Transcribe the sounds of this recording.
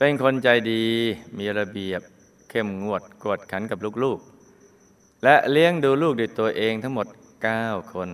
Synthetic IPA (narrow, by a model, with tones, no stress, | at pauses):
pe˧nkʰo˧nt͡ɕa˧jdiː˧miː˧ɾa˧bi˨˩əp̚ | kʰe˨˩mŋu˨˩ət̪̚ku˨˩ət̪̚kʰa˩˦nka˨˩p̚luː˥˩k̚luː˥˩k̚ | lɛ˦˥ʔli˦˥əŋduː˧luː˥˩k̚duː˧˩t̪u˧ɐʔeː˧ŋt̪ʰa˦˥ŋmo˨˩t̪̚ | kaː˥˩wkʰo˧n